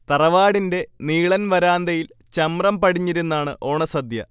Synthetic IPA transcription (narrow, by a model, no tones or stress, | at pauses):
t̪ɐrɐʋaːɽinde̞niːɭɐnʋɐɾaːnd̪ɐjil | t͡ɕɐmrɐmpɐɽiɲːiɾunːaːɳɨ̰ʔo̞ːɳɐsɐd̪jɐ